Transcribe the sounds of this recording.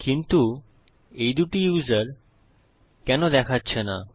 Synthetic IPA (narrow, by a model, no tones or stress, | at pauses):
kint̪u | ejd̪uʈijuzaɾ | kɛnod̪ɛkʰatːɕʰena